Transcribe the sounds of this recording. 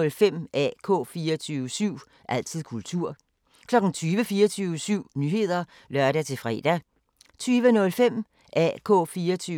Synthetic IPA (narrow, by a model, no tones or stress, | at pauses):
lfem̰ʔæ̰kʰɔ̰ːfiːɐɐt͡sʰyːʋəsyʊ̰ | ʔæl̰t͡sʰið̰ˠkʰult͡sʰuɐ̰ | kʰlɒ̽ɡ̥n̩t͡sʰyːʋəfiːɐt͡sʰyːʊəsyʊ̰nyɦe̝ð̞̰ˠɐ | lɶɐɾæt͡sʰe̝lfʁɛ̰d̥æ | t͡sʰyːʋənɔ̽lfem̰ | ʔæ̰kʰɔ̰̽ːfiːɐt͡sʰy